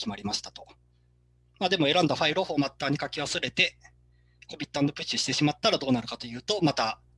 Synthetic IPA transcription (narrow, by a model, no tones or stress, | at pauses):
kʲimaɾʲimaɕi̥t̪ḁt̪o̞ | maːd̪e̞mo̞e̞ɾãnd̪aɸaiɾoho̞ːmat̪ːaːɲ̟ikakʲiβasɨɾe̞t̪e̞ | ko̞bʲit̪ːãnːo̞pɯ̟t͡ɕːiɕi̥t̪e̞ɕimat̪ːaɾad̪o̞ːnaɾɯ̟kat̪o̞jɯ̟ːt̪o̞mat̪a